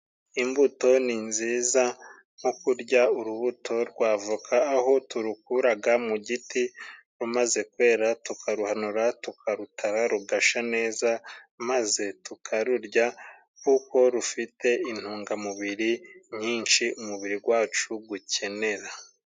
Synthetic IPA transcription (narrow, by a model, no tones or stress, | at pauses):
imbuto̞ninziːza | ŋ̥okuɾɟauɾuβutʰo̞ɾɡwaːvukʰaːɦo̞tuɾukuɾaɡamuɟiti | ɾumaze̞kwe̞ːɾatukʰaɾuhanuɾatukʰaɾutʰaɾaɾuɡaʃane̞ːzamaze̞tukʰaɾuɾɟa | kuko̞ɾufite̞in̥huːŋɡamuβiɾiɲiːnʃiumuβiɾiɡwaːt͡ʃuɡuce̞ne̞ɾa